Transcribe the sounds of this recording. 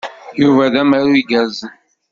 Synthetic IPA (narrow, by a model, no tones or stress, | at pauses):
juvæðæmæɾuiɡæz